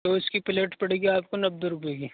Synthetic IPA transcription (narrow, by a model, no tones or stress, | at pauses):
oʊskipɪleːʈpɐɽ̤eːɡiaːp̚konɐb̚d̪əɾʊbeːɡi